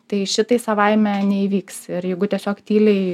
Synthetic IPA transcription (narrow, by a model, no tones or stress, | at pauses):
t̪ɐɪʃʲɪt̪ɐɪsɐʋɐɪmʲɛnʲɛiːʋʲiːksɪɾjɛɪɡʊt̪ʲiɛsʲoːkt̪ʲiːlʲɛɪ